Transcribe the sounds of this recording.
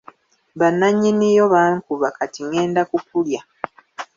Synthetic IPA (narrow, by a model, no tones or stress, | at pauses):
βanːaɲːinijo̞βaːŋkuβakatiŋe̞ːndakupulja